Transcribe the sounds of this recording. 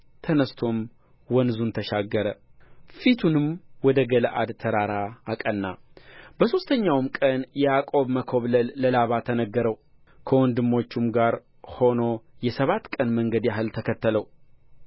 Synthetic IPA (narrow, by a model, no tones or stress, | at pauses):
t̪ʰənəst̪ʰo̞m | wɔnzunt̪ʰəʃaɡːəɾəfit̪ʰunɨmwɔd̪əɡələʔa̰d̪t̪ʰəɾaɾaːkʼənːabəso̞st̪ʰəɲːawmkʼənjɛjakʼo̞βməkʰo̞βləlːəlaβat̪ʰːənəɡːəɾəw | kʰəwɔnd̪ɨmːo̞t͡ʃːumɡaɾ | ho̞no̞jɛsəβat̪ːkʼənməŋɡəd̪jaɦɨlt̪ʰəkʰət̪ːələw